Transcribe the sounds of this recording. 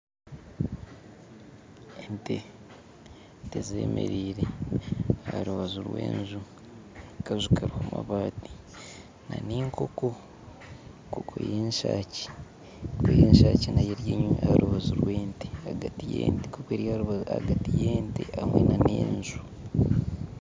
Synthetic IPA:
ente | teze̞̰ːmḛɾiːɾe | aaɾuβazuɾwḛːnzu | kazukaɾuhamaβaːti̥ | naniːŋkʰo̞ko | kokʰo̰jeːnʃaːci̥ | kwejeːnʃaːcinajeɾjeɲuaaɾʔuβazuɾweːnteaɡatijḛːntekoβweɾjaa̰ɡatijeːnteamwenanḛːnzu

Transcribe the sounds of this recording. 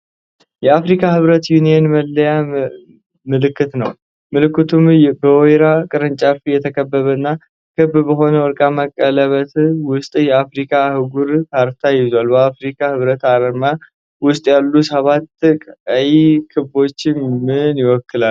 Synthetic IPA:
jɛafɾikʰahɨβɾət̪junijenməlːəja | mɨlɨkːɨt̪nəw | mɨlɨkːɨt̪ʰumbəɔjɾakʼɨɾɨnt͡ʃʼafijɛt̪ʰəkʰəbːəβəɨnːa | kʰɨbbəɦo̞nəwɔɾkʼaməkʼːələβət̪wʊst̪ʼjɛafɾikʰahɨɡuɾkʰaɾt̪ʰajɪzwalbəafɾikʰahɨβɾət̪aɾəma | wʊst̪ʼjalːusəβat̪ːkʼajikʰɨbo̞t͡ʃːɪmɨnjɪwɔkʰːɨlal

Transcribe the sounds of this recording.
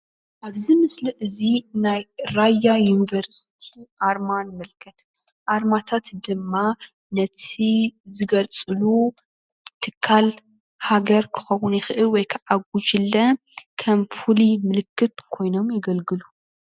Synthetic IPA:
ʔaβzɨmɨslɨʔɨzinajɾajajunivɐɾsi̥t̪ʰiʔaɾmanmɨlkʰɐt̪ | ʔaɾmat̪ʰat̪d̪ɨmːa | nɐt̪ʰizɨɡɐlt͡sʼɨlu | t̪ʰɨkʰːal | haɡɐɾkʰɨ̥xɐwʊnjɪxɨʔɨlwɔjkʰɨʕaɡut͡ʃɨlːɐ | kʰɐmfulimɨlɨkːɨt̪kʰo̞jno̞mjɪɡɐlɡɨlu

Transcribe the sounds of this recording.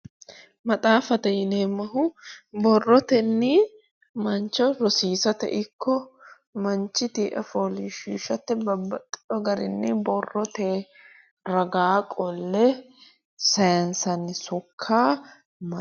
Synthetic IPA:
mɐt̪ʼaːfɐt̪ɛjɪneːmːɐɦʊbɔrːɔt̪ɛnːi | mɐnt͡ʃːɔɾɔsiːsɐt̪ɛ̰ʔɪkʰːɔ | mɐnt͡ʃːɪt̪iʔɐ̰foliʃiːʃɐt̪ːɛbɐbːɐt̪ʼːɪ̥ᶑɔɡɐɾɪnːɪbɔrːɔt̪eː | ɾɐɡaːkʼɔlːɛ | sɐjɐnsɐnːɪsʊkʰːaː | mɐ

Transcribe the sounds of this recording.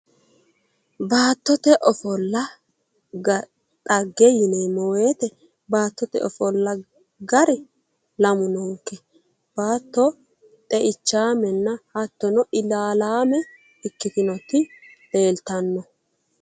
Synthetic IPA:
baːt̪ːɔt̪ɛʔɔfɔlːɐ | ɡɐ | t̪ʼɐɡːɛjɪnemɔweːt̪ɛ | baːt̪ːɔt̪ɛ̰ʔɔfɔlːɐ | ɡɐɾɛ | lɐmʊnoːŋkːɛ | b̥aːt̪ːɔ | t̪ʼɛʔɪt͡ʃːaːmɛnːɐhɐt̪ːɔnɔʔɪlaːlaːmɛ | ɪkːɪt̪ɪnɔt̪ːɪleːlt̪ɐnːɔ

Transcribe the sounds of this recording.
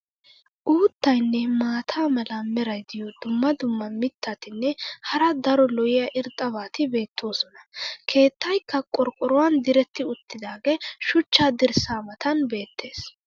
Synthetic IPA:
ʔuːt̪ːɐjnːɛmaːt̪ʰaːmɐlɐmɛɾɐjd̪ɪjɔd̪ʊmːɐd̪ʊmːɐmɪt̪ːɐt̪ɪnːɛhɐɾɐd̪ɐɾɔlɔɪjɐʔɪɾt̪ʼːɐbaːt̪ɪbe̞ːt̪ʰːoːsɔnɐkʰe̞ːt̪ːɐjkːɐkʼɔɾkʼːɔɾʊwɐnd̪ɪɾɛt̪ːɪʊt̪ːɪd̪aːɡɛʃʊt͡ʃːaːd̪ɪɾsaːmɐt̪ɐnbe̞ːt̪ʰːe̞ːs

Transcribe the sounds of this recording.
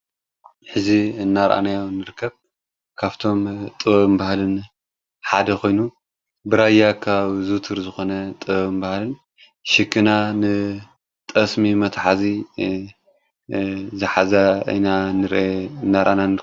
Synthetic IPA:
ħɨziɨnːaɾʔa̰najonːɨɾɨkʰːɐβ | kʰaβt̪ʰo̞mt̪ʼɨβɐβmbahlɨn | ħad̪ɐkʰo̞jnu | bɨɾajakʰaβzut̪ʰɨɾzɨxo̞nɐt̪ʼɨβɐβmbahlɨn | ʃɨkʰːɨnanɨ | t̪ʼɐsmimɐt̪ʰħazi | zɨħazɐ̰jnanɨɾʔeɨnːaɾʔanan

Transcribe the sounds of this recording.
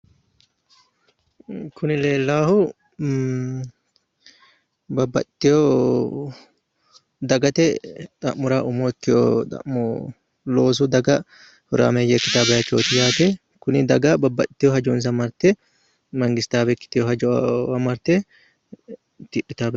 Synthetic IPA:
kʰʊnɪleːlːaːhʊ | bɐbːɐ̰t̪ːɪjo | d̪ɐɡɐt̪ɛt̪ʼɐʔmʊɾaːʔʊmoːɪkːɪjo̰t̪ɐ̰ʔmo | loːs̬ʊd̪ɐɡɐ | hʊɾa̰ːmejekːɪt̪aːbɐjɐt͡ʃːoːt̪ɪjaːt̪ɛ | kʊnɪd̪ɐɡɐbɐbːɐt̪ːɪjoɦɐd͡ʒoːns̬ɐmɐɾt̪ɛ | mɐŋɡɪst̪aːbɛkːɪ̥t̪ːɪjohɐd͡ʒoɐmɐɾt̪e | t̪ɪʔɪt̪aːbɐ

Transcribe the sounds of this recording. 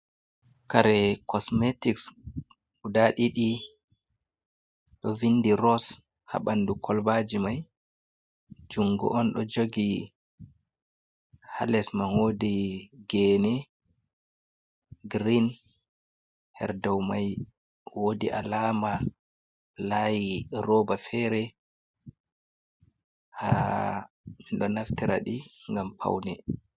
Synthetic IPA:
kaɾɛkʰɔsmetiks | udaɗiɗi | ɗɔvinːdiɾɔs | ha̰ɓandukʰɔlbad͡ʒimaj | d͡ʒuŋɡṵʔɔnɗɔd͡ʒoɡi | ha̰lɛsmanodiɡɛnɛ | ɡɾin | hɛ̰ɾdɔwmaj | wodiʔa̰laːma | lajiɾɔbafɛɾɛ | ha | miɗɔnaftiɾa̰ɗiŋɡampʰa̰wnɛ

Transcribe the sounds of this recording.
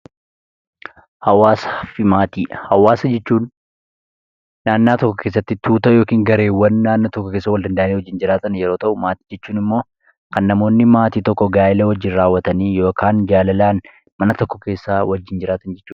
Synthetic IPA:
hɐwaːsɐfɪmaːt̪iːhɐwaːsɐd͡ʒɛt͡ʃːuːn | aːnːaːt̪ɔkːɔkʰe̞ːs̬ːɐt̪ːɪt̪uːt̪ɐjo̞ːkiːŋɡɐɾe̞ːwːɐnːaːnːoːt̪ɔkːɔke̞ːsːɐwɐld̪ɐnd̪ɐʔɐneːwd͡ʒːɪnd͡ʒɪɾaːt̪ɐnjɛɾo̞ːt̪ɐʔʊmaːt̪iːd͡ʒɛt͡ʃːuːnɪmːo̞ː | kɐnːɐmo̞ːnːɪmaːt̪iːt̪ɔkːɔɡaːʔɪlɐwɐd͡ʒːɪnɾaːwːɐt̪ɐniːjo̞ːkʰaːnd͡ʒaːlɐlaːn | mɐnɐt̪ɔkːɔke̞ːsːaːwɐd͡ʒːɪnd͡ʒɪɾaːt̪ɐnd͡ʒɛt͡ʃːuː

